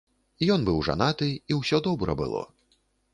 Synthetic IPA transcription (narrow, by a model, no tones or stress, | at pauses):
ijɔnbɨwʐa̰nat̪ɨiwsʲɔd̪ɔbɾɐ̰bɨ̰lˠɔ̰